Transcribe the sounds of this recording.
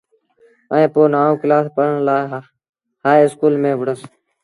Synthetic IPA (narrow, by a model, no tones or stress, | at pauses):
əẽːpoːnaːõːkɪlaːspəɾəɳlaː | haːeɪskuːlmẽːʋəɽəs